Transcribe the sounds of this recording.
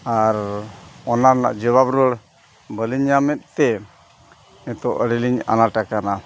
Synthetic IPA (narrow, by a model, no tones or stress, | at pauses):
aɾɔnana̰ʔd͡ʒəβabɾɔɽ | bəliɲamɛt̪̚ˀt̪ɛ | ɛt̪ɔʔəɽiliɲa̰naʈakana